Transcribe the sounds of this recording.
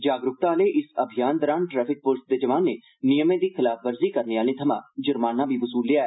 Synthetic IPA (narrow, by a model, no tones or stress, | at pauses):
d͡ʒaːɡɾʊk̚t̪ãleʔɪsəbʱijaːnd̪əɾaːnʈɾɛːpʰɪk̚pʊlsd̪eːd͡ʒɐʋaːnːeː | nijəmẽːd̪iːxɪlaːfʰʋəɾziːkəɾneaːlẽːt̪ʰəmã̰ːd͡ʒʊɾmaːnːãːbʱiːʋʊsuːlːɪjaːɛ